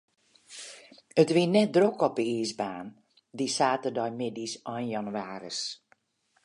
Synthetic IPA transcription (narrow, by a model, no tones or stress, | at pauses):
ətʋiənɛt̚drokɔpəiːsbaːn | disaːtədɔjmɪdisɔjnjanuaːɾə̰s